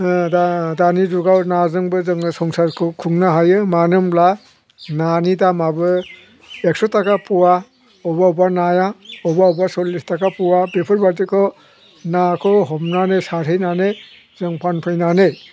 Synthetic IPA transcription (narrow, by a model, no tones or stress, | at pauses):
dadanizuɡawnazɯŋbɯzɯŋsɔŋsaɾkʰkʰuŋnaɦajɯmanɯmbla | nanidamabɯ | ek̚sɔtʰakapʰuwa | ɔbaubanajaɔbaubasɔlːistakapʰuwabepʰɯɾbaɾtikʰɔ | nakʰɔɦɔmnanesaɾɦɯjnane | zɯŋpʰanpʰɯjnane